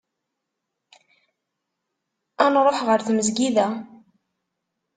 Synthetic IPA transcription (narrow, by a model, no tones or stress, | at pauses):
ænɾˤoħʁəɾθməzɡiðæ